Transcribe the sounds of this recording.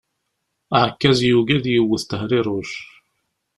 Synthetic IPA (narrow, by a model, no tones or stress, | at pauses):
əʕkːæzjuɡæðjəwːəθt̪əhɾiɾˤʊʃ